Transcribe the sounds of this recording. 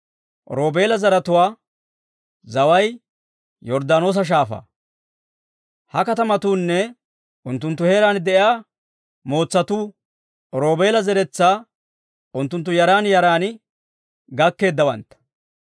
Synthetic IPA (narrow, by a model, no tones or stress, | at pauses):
ɾo̞ːbe̞ːlɐzɐɾɐt̪ʊwaː | zɐwɐj | jɔɾd̪aːno̞ːs̬ɐʃ̬aːfa̰ː | hɐkɐt̪ɐmɐt̪uːnːɛ | ʔʊnt̪ːʊnt̪ːʊhe̞ːɾaːnd̪ɛʔɪaː | mo̞ːt͡sːɐt̪uː | ɾo̞ːbeːlɐzɛɾɛt͡sːaː | ʔʊnt̪ːʊnt̪̬ːʊjɐɾaːnjɐɾaːn | ɡɐkːe̞ːd̪ːɐwɐ̰nt̪ːɐ̥